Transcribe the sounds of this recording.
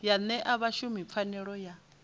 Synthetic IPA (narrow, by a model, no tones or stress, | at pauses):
janɛʔaβaʃumip̪fʰanɛɺɔja